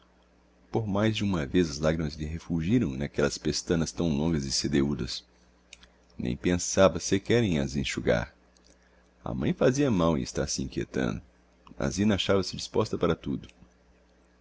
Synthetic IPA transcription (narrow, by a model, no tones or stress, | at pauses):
poɾmajzd͡ʒɪũmɐvezɐzlaɡɾimɐzlɪɦefuʒiɾɐ̃w̃nakɛlɐspest̪ɐ̃nɐst̪ɐ̃w̃lõŋɡɐzɪsed̪eud̪ɐs | nʔḛ̃j̃pẽsavɐsɪkɛɾẽj̃ɐ̰zĩʃuɡa̰ɾ | ɐ̰mɐ̃j̃faziɐmawɪ̰ɪst̪asɪĩkiḛt̪ɐ̰̃nd̪ʊ | a̰zĩnɐaʃavɐsɪd͡ʒispɔst̪ɐpaɾɐt̪ud̪ʊ